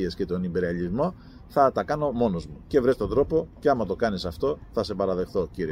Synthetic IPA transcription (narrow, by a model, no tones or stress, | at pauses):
iesce̞t̪o̞nimbe̞ɾiɐlizmo̞ | θɐt̪ɐkɐno̞mo̞no̞zmuce̞vɾe̞st̪o̞nd̪ɾo̞po̞ce̞ɐmɐt̪o̞kɐnisɐft̪o̞θɐse̞pɐɾɐðe̞xθo̞ciɾie